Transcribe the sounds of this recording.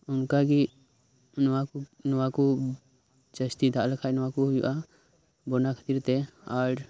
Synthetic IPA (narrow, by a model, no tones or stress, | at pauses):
ʊnkaɡi | nɔwanɔwaku | t͡ʃəst̪id̪aʔləkʰajnɔakuɦjṵʔa | bɔnakʰə̥t̪iɾt̪ɛaɽ